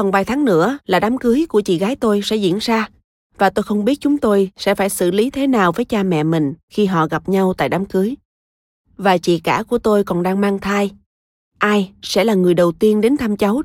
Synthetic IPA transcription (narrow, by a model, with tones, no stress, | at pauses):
fə˨˩nvaː˨˩jt̪ʰaː˨˦ŋnɨ̰˧˥əlaː˨˩ɗaː˨˦mkɨ˨˦jku˧˩ət͡ɕḭ˧˨ɣaː˨˦jt̪o˧jsɛ̰˧˥zḭ˧˥ənzaː˧ | vaː˨˩t̪o˧jxə˧wŋ͡mɓi˦˥ət̚t͡ɕʊ˨˦ŋ͡mt̪o˧jsɛ̰˧˥faː˧˩jsɨ̰˧˨li˨˦t̪ʰe˨˦naː˨˩wvəː˨˦jt͡ɕaː˧mɛ̰˧˨mï˨˩ŋ̟xi˧ɦɔ̰˧˨ɣa˨˩p̚ɲa˧wt̪a̰ː˧˨jɗaː˨˦mkɨ˨˦əj | vaː˨˩t͡ɕḭ˧˨kaː˧˩ku˧˩ət̪o˧jkɔ˨˩nɗaː˧ŋmaː˧ŋt̪ʰaː˧j | ʔaː˧jsɛ̰˧˥laː˨˩ŋɨ˨˩əjɗə˨˩wt̪i˧ənɗe˨˦nt̪ʰa˧mt͡ɕə˨˦w